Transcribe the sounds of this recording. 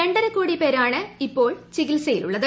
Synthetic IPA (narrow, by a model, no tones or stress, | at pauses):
eɳɖɐɾɐkːuːɽipe̞ːɾaːɳɨipːo̞ːɭt͡ɕiɣilsɐjilṵɭːɐðɨ